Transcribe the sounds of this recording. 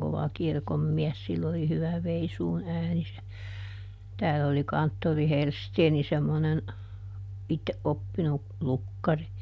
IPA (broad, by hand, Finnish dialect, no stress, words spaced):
koʋɑ kirkomːiɛs silː oli hyʋæ ʋeisuːn æːni se tæːlː oli kɑntːori helsteːni semːonen ʔitːeʔ ʔopːinu lukːɑri